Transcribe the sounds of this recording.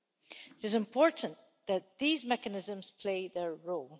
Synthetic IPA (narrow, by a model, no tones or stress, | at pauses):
ɪɾɪzɪ̃mpʰɔɹʔn̩ | ðət̪̚ðizmɛkənɪzə̃mz̥pʰl̥eɪðə˞ɹolˠ